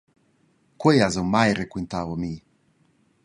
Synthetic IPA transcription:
kwejazoŋmajɾekwent̪aːvomi

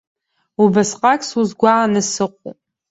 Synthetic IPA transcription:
ubasqʼakʼsuzɡʷaanɨsɨqʷʼo̰pʼ

